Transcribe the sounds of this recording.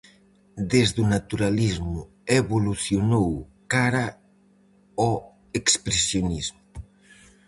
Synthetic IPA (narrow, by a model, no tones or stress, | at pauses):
d̪ezðunat̪uɾalizmʊ | eβoluθjonow | kaɾa | ɔ | ekspɾesjonizmʊ